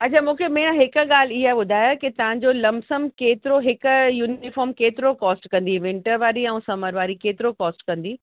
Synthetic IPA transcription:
ɐt͡ɕʰamũːkʰemẽːãɦɪkʊ̆ɠaːliɦaːɓʊd̪ʱaːjakit̪ɐʋ̤ãɲd͡ʑolɐmsəmkeːt̪ɪɾoɦɪkʊjuːnɪfɔːɾmkeːt̪ɪɾokɔːsʈkɐ̃nd̪iʋɪ̃ɳʈəɾʋaːɾiɛ̃ũːsɐməɾʋaːɾikeːt̪ɪɾokɔːsʈkɐ̃nd̪iː

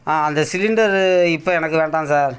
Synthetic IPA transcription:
aːɐnd̪ɐsɪlɪɳɖɐɾɪpːoːɛnɐkːɯʋeːɳɖãːnsaːɾ

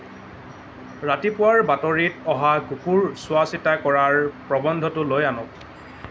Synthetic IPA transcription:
ɹatipʊwaɹbatɔɹitɔɦaɡukuɹsʊasitakɔɹaɹpɹɔbɔndʱɔtʊlojanʊk̚

